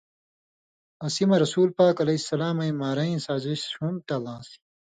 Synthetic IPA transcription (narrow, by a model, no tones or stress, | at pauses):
ɐsimɐɾɐsuːlpaːkɐlɐisːɐlaːmɐjmaːɾɐĩsaːziɕũmt̪ɐlãːsi̥